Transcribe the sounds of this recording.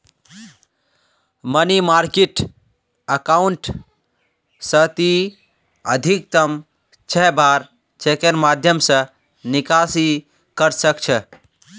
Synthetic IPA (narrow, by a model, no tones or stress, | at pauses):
mənimaɾkeʈ | əkauɳʈ | sət̪i | əd̪ʱik̚t̪əm | t͡ʃʰɛɦbaɾ | t͡ʃʰekeɾmad̪ʱjəmsə̃ | nikasi | kəɾsəkt͡ʃʰɛ